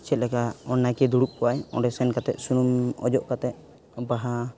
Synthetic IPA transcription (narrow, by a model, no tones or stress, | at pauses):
t͡ʃʰɛt̪̚lɛkaɔnːakɛd̪uɽup̚kɔwajɔ̰ɖɛsɛnkat̪ɛʔ̪̚sunumɔd͡ʒɔʔkat̪ɛt̪̚ | ɔbaɦa